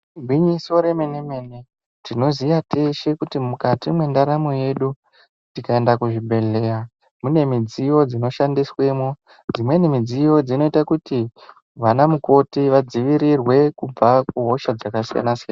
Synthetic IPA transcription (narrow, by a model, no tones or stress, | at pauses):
bʱwiɲiso̞ɾe̞me̞ne̞me̞ne | tino̞zijate̞ʃe̞kutimukatimwe̞ndaɾamoje̞ɗu | tikaendakuʐiɓʱe̞ɮe̞ːɾa | mune̞mid͡zijo̞d͡zino̞ʃandiswe̞mo | d͡zimwe̞nimid͡zijo̞d͡zino̞itakuti | ʋanamuko̞tiʋad͡ziʋiɾirwe̞kub͡vakuɦo̞ʃad͡zakasija̰nasijana